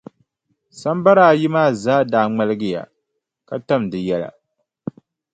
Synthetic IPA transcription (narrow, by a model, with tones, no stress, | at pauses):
sa˦mba˦ɾaː˦˨ji˦maː˦˨zaː˦daː˨ŋ͡ma˦lɨ˦ɡɪ˦ja̰˨ | ka˦ta˦mdɨ˨jɛ˦la̰˨